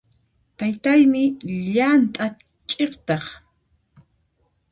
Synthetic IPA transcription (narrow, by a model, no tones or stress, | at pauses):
t̪ajt̪ajmɪʎant̪ʼa | t͡ʃʼeχt̪ɑχ